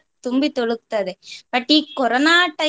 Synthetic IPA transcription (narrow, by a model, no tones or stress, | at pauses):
t̪ʊmbit̪ɔɽɯkt̪ːɐðɯpɐʈːikɔɾɐnaːʈːɐ